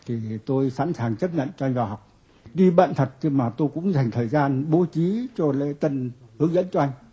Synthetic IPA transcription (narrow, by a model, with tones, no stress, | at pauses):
t̪ʰi˨˩t̪o˧jsa̰ː˧˥nsaː˨˩ŋt͡ɕə˦˥p̚ɲə̰˧˨nt͡ɕɔ˧jŋɓaː˨˩ha˨˩wk͡p̚ | ɗi˧ɓa̰ː˧˨nt̪ʰə˨˩t̚xi˧maː˨˩t̪o˧jkʊ̰˧˥ŋ͡mza˨˩jŋ̟t̪ʰəː˨˩jzaː˧nɓo˨˦t͡ɕi˨˦t͡ɕɔ˧l̰t̪ə˧nhɨ˨˦əŋzə̰˧˥nt͡ɕɔ˧ʔa˧jŋ̟